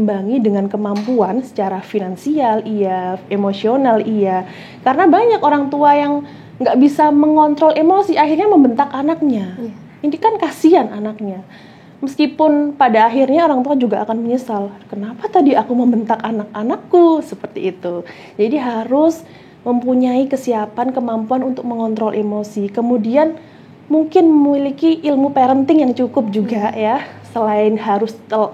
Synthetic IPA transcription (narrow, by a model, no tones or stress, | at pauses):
əmbaŋidəŋankəmampuansə̥t͡ʃaɾafinansialiaemosionalia | kaɾənabaɲakoɾaŋt̪uajaŋ | ŋɡaʔbisaməŋɔnt̪ɾɔlemosiahirɲaməmbənt̪akanak̚ɲa | indikankasiananak̚ɲa | məskipʊnpadaːɦirɲaoɾaŋt̪uad͡ʒuɡaʔːkanməɲəsalkənapat̪adiakuməmbənt̪akanak̚anakːusəpərt̪ḭːt̪u | d͡ʒadiɦaɾʊs | məmpuɲaikəsiapankəmampuanunt̪ʊk̚məŋɔnt̪ɾɔlʔemosikəmudian | muŋkɪnməmilikiʔːlmupeɾənt̪ɪŋjaŋt͡ʃukʊp̚d͡ʒuɡajasəlaɪnhaɾʊst̪ə